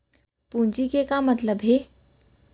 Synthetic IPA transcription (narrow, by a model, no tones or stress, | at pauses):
pũːnt͡ʃikekamɐt̪ləbɦe